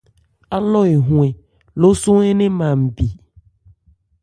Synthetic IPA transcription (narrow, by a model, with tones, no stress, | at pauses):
a˦lɔ˦e˨ɦũ˨e˨ | lo˦sũ˦e˦nẽ˦mã˨m̩˨bi˨